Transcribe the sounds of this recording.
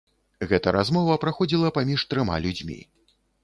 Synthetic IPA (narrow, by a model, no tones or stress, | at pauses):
ɣɛt̪ɐɾʔazmɔvɐpɾaxɔd͡zʲilˠɐpamʲiʂt̪ɾɨma̰lʲud͡zʲmʲḭ